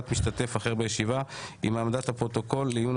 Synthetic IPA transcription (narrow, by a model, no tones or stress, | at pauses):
t̪miʃt̪ate̞faχe̞ʁbejeʃivaimamadat̪hapʁo̞t̪o̞ko̞lːejjun